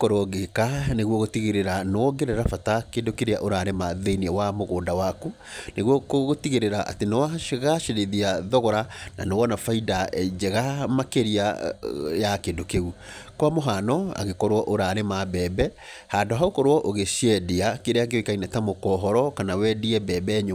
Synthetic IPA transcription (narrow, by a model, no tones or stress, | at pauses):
kɔɾwɔɣekaneɣwɔɣotiɣeɾeɾanɔɡeɾeɾafatakendokeɾeaʔoɾaɾemaðeiniɛwamoɣoːndawaku | neɣɔkoɣotiɣeɾeɾaʔa̰tenɔwaɣaʃeɾeðiaðɔɣɔɾana̰nowɔnafaidaɛd͡ʑɛɣamakeɾia | jakendokeukwamoɦaːnɔa̰ɣekɔɾwɔʔoɾaɾemabɛːbɛ | handoɦaokɔɾwɔʔoɣeʃɛdeakeɾeaɡeɔikainatamokɔɦɔɾɔkanawɛdiɛbɛːbɛɲ